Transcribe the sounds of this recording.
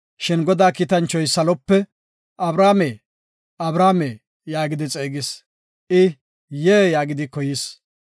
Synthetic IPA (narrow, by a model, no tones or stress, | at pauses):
ʃɪnɡɔd̪aːkiːt̪ɐnt͡ʃːɔjsɐlɔpːɛ | ʔɐbɾaːmeː | ʔɐbɾaːmeː | jaːɡɪd̪ɪt͡sʼeːɡɪs | ʔɪ | jeːjaːɡɪd̪ɪkɔjɪs